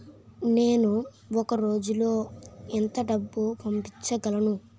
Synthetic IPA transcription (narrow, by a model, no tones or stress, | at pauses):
neːnu | ɔkɐɾo̞ːd͡ʒulo̞ːɛnt̪ɐɖɐbːupɐmpit͡ʃːɐɡɐlɐnu